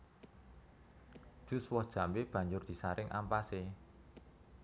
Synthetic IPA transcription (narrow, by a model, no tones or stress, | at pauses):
ʒ̥ṳswɔhd̥ʒ̥a̤mbeb̥ä̤ɲd͡ʒʊrd̪̥i̤saɾɪŋʔa̰mpase